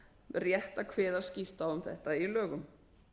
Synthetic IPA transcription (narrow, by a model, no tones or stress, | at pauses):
rjɛht̪akʰvɛːðascɪft̪aʏmθɛ̰ht̪ailœːɣʏm